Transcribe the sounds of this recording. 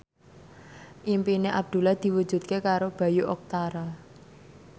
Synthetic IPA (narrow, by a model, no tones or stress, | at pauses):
ʔimpineʔab̚d̪̥ṳlahd̪̥i̤wud̥ʒ̥ṳt̪̚kekaɾob̥a̤juʔɔk̚t̪aɾa